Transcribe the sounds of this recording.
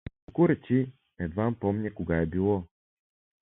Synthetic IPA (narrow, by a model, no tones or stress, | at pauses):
okʊɾɛt͡ʃi | ɛd̪vampɔmɲʲɛkoɡaɛbilˠɔ